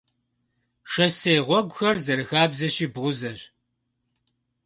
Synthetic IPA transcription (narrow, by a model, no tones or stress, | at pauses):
ʂɐsejʁʷɔɡʷʊxɐrzɐɾɨxaːbzɐɕiːbʁʷʊzɐɕ